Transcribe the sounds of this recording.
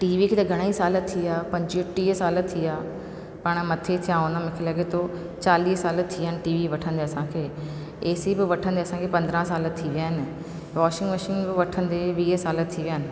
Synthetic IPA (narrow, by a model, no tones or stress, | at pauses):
ʈiːʋikʰeːt̪ɐɡʱɐɽ̃aisaːlət̪ʰːiaːpɐ̃ɲd͡ʑiʊʈːiːɦsaːlət̪ʰːiaː | pɐɽ̃mɐt̪ʰet̪ʰijaʊnəmɪkʰelɐɡet̪ʰo | t͡ɕaːliːsaːlət̪ʰːiəɪnɪ̆ʈiːʋiʋɐʈʰə̃nd̪eɐsãːkʰeː | eːsibɪʋɐʈʰə̃nd̪eɐsãkʰepɐ̃nd̪ɾãsaːlət̪ʰiʋjaːɦɪnɪ̆ | ʋɔːʃɪ̃ŋɡʋəʃɪ̃ŋɡbɪʋɐʈʰə̃nd̪eʋiːsaːlət̪ʰiʋijaːnɪ̆